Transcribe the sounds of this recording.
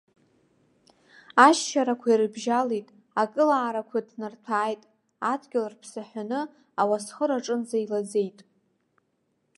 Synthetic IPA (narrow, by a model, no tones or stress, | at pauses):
aʃːaɾakʷʰairɨbʒalejtʼ | akʼɨlaːɾakʷʰadnɨrtʰaːjtʼ | adɡʲɪlrpʰsaħʷᶣanɨ | awasχəɾaʈ͡ʂʼɨnzajlad͡zejtʼ